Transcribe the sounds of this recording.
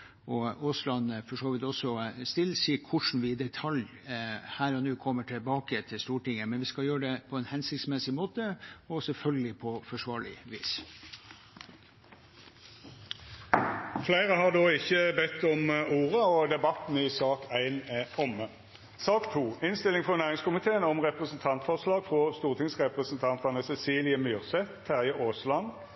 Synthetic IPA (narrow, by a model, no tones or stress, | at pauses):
ɔʊslɑnfɔʂoːʋɪt̪ɔsːɔst̪ɪlːsiːkʰʊʂn̩ʋɪd̪ɛt̪ʰɑl | hæːɾɔnʉːkʰɔmːəʈʰɪlbɑːkət̪ʰɪst̪uːʈɪŋːəmɛnʋɪskɑljøːəɖɛpʰɔɛnhɛnsɪkt̪smɛsɪmoːt̪əɔsɛlfœlɡəlɪpʰɔfɔʂʋɑːɾɭɪ̰ʋḭːs | flæɪʁəhɑʁd̪oːɪçːəbɛt̪ːɔmuːʁəɔd̪ɛbɑt̪n̩ɪsɑːkʰæɪnɔmə | sɑːkt̪ʰuːɪnst̪ɪlɪŋfʁɔnæːʁɪŋskʊmɪt̪ʰeːənɔmʁɛpʁəsnt̪ʰɑnt̪fɔʁslɑːɡ̥fʁɔst̪uːʁt̪ʰɪŋsʁɛpʁəsnt̪ʰɑnt̪ɑnəsɛsiːlɪəmʏʁsɛt̪ʰːæʁjəʔoːslɑn